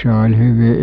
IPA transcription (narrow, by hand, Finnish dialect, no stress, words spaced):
se olʲ hyʋi